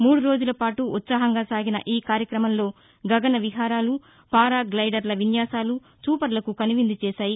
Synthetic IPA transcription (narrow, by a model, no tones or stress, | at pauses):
muːɽuɾo̞ːd͡ʒulɐpaːʈuʔːt̪saːɦɐŋɡaːsaːɡinɐ̰ʔiːkaːɾjɐkɾɐmɐmlo̞ː | ɡɐɡɐnɐʋiɦaːɾaːlu | paːɾaːɡlɐjɖɐɾlɐʋinjaːsaːlu | t͡ʃuːpɐɾlɐkukɐniʋind̪it͡ʃɛːʃaːji